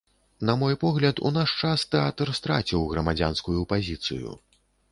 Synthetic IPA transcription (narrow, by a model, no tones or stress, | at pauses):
nɐmɔjpɔɣlʲɐt̪ṵnaʂt͡ʂast̪ɛat̪rst̪ɾat͡sʲiwɣɾɐmad͡zʲa̰nskujupazʲit̪sɨ̰jṵ